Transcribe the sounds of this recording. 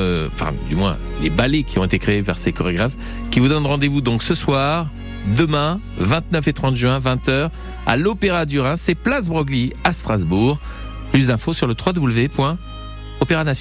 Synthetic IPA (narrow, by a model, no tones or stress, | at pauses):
øɑ̰̃fɛ̰̃d̪ymwɛ̰̃ | lebalekʲʰiɔ̃et̪ekχeːvɛʁsekɔʁeɡʁaf | kʲivud̪ɔnʁɑ̃d̪evud̪ɔ̃ksəswaʁ | d̪əmɛ̃ | vɛ̃t̪nœfet̪χɑ̃t̪ʒɥɛ̃vɛ̃t̪œːʁ | a̰lɔpeʁad̪yʁɛ̃sɛplas̬bʁɔɡliast̪χazbuʁ | plys̬d̪ɛ̃fosyʁlət̪χwad̪ubləvepwɛ̃ | ɔpeʁanas